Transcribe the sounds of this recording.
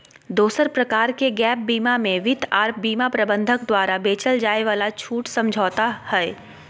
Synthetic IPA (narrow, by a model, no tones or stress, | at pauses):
d̪oːsəɾpɾɐkaːɾkeɡɛːp̚biːmamẽʋɪt̪ʰaːɾp̚biːmapɾɐbə̃nd̪ʱəkd̪waːɾabeːt͡ʃəld͡ʒaːeʋaːlat͡ʃʰuːʈsɐ̃md͡ʒʱɔːt̪ahɛː